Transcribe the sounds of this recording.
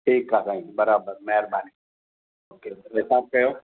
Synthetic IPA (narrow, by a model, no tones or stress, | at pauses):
ʈʰiːkːakaĩbəɾaːbəɾmɛɾbaːni | oːkeɾesaːb̚kɐjoː